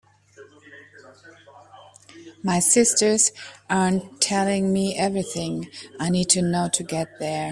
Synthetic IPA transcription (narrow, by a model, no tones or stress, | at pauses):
maɪsɪstə˞z̥ɑɹntʰːɛlˠɪ̃ŋmiʔɛvɹiθɪ̃ŋaɪnid̚tʰɨnoʊtʰɨɡɛt̪̚ðə˞